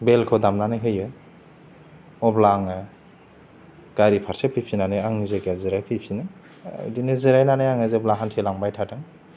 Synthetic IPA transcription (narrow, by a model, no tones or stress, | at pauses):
belkʰodamnanajɦɯjɯ | ɔblaŋɯ | ɡ̥aɾipʰaɾsepʰipʰinanajaŋzekezɯɾajpʰipʰina̰ | jdiniziɾajnanajaŋɯzeblaŋɦantʰelaŋbajtʰatɯŋ